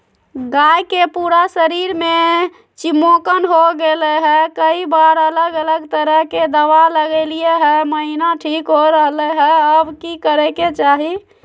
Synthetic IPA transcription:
ɡajkepuɾasəɾiɾme | t͡ʃimokənɦoɡeleɦɛkəibaɾələɡələɡt̪əɾəɦked̪əʋaləɡɛlijeɦɛməɦinaʈʰikɦoɾəɦleɦɛəbkikəɾɛket͡ʃaɦi

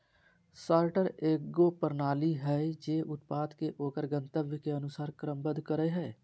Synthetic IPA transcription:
saːɾʈəɾeːɡɡopəɾnaːliɦɛd͡ʒeːʔʊt̪paːd̪keʔoːkəɾɡə̃nt̪əbjəkeənʊsaːɾkɾəmbəd̪kəɾəɦɛː

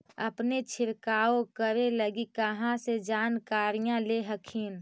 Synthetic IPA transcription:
əpnet͡ʃʰɪɾkaːokəɾeləɡikəɦãsed͡ʒaːnkaːɾijãleɦəkʰiːn

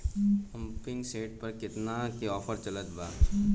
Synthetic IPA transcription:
ɐ̃mpɪŋɡseːʈpɐɾkɪt̪nakeɔːpʰəɾt͡ʃɐlət̪baː

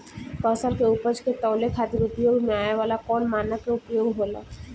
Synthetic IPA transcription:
pəsalkeʊpəd͡ʒket̪ɔːlekʰaːt̪iɾupjoːɡmẽaːeʋaːlakɔːnmaːnakeupjoːɡɦoːla̰

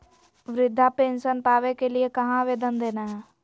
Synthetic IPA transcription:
ʋɾɪd̪ʱːapẽːnʃənpaːʋekeliekɐɦãʋeːd̪ənd̪eːnaɦɛː

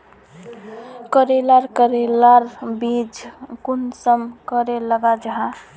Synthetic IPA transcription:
kəɾelaɾkəɾelaɾbid͡ʒkunsəmkəɾeləɡad͡ʒəɦã

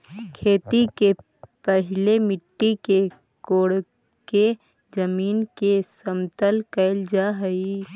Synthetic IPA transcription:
kʰeːt̪ike | pəɦɪlemɪʈːike | koːɽ | ke | d͡ʒəmiːnkesəmt̪əlkəɪld͡ʒaɦəi

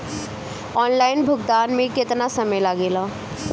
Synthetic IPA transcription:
ɔːnlaːɪnbʱʊɡd̪aːnmẽkɪt̪nasɐmejlaɡeːlaː

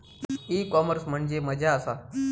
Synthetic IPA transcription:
iːkɔməɾsm̤əɳd͡zeməd͡ʑʱaəsa

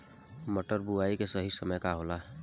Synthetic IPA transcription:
məʈəɾbuaːikesəɦisəməjkaɦoːla

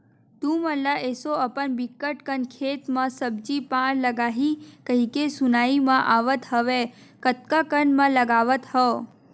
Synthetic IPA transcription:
t̪ũməlaʔesoəpəɳbikːəʈkənkʰet̪mãsəbd͡ʒipãɾləɡaɦikəɦikesunaimãʔaʋət̪ɦəʋekət̪̚kakənmãləɡaʋət̪hə

